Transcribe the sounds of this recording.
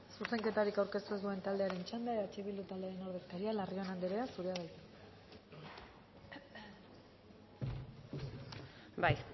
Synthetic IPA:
suse̞ŋke̞t̪aɾikawɾke̞st̪ue̞zd̪ue̞nt̪ald̪e̞aɾe̞nt͡ʃand̪eaet̪at͡ʃeβild̪ut̪ald̪eaɾe̞no̞ɾðek̚t̪aɾialario̞nand̪eɾeasuɾeaβajt̪e | baj

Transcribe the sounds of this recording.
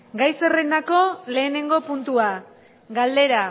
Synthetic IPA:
ɡajse̞rend̪ako̞le̞ːne̞ŋɡo̞punt̪ua | ɡald̪e̞ɾa

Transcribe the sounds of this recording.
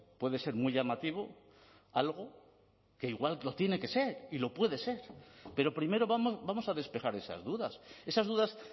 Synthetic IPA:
pwe̞ðe̞se̞ɾmwuiʎamat̪iβ̞o̞ | alɣ̞o̞ | ke̞iɣwallo̞t̪je̞ne̞ke̞se̞ɾilo̞pwe̞ðe̞se̞ɾpe̞ɾo̞pɾime̞ɾo̞βamosbamo̞saðe̞spe̞xaɾe̞sa̰zðuðase̞sazðuðas

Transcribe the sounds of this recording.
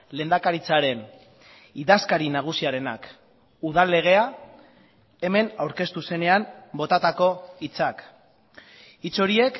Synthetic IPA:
le̞ːnd̪akaɾit͡saɾe̞n | iðaskaɾinaɣ̞usiaɾe̞na̰k | uðalːe̞ɣ̞e̞a | e̞me̞nawɾke̞st̪use̞ne̞ambo̞t̪at̪ako̞it͡sak | it͡soɾie̞k

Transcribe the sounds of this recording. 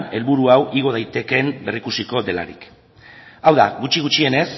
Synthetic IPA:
ne̞lβuɾuawʔiɣ̞o̞ð̞ajt̪e̞ke̞mbe̞rikusiko̞ðe̞la̰ɾḭk | awðaɣut͡ʃiɣut͡ʃie̞ne̞s

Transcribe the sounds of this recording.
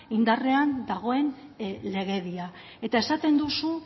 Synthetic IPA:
ind̪are̞and̪aɣ̞o̞e̞nle̞ɣ̞e̞ðia | e̞t̪ae̞sat̪e̞nd̪usu

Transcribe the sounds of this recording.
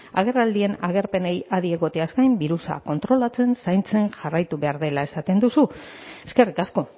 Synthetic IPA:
a̰ɣ̞e̞rald̪ie̞naɣ̞e̞ɾpe̞ne̞jaðieɣo̞t̪easkajmbiɾusa̰ko̞nt̪ɾo̞lat͡se̞nsajnt͡se̞nʝarajt̪uβe̞aɾðe̞lae̞sat̪e̞nd̪usu | e̞ske̞rikasko̞

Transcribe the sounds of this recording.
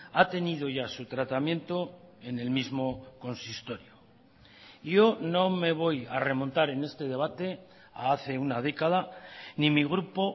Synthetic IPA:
at̪e̞nið̞o̞ʝasut̪ɾat̪amjẽ̞nt̪o̞e̞ne̞lmizmo̞ko̞nsist̪o̞ɾjo | ʝo̞no̞me̞β̞o̞jare̞mõ̞nt̪aɾe̞ne̞st̪e̞ðe̞β̞at̪e̞ | a̰aθe̞unað̞e̞kað̞animiɣ̞ɾupo̞

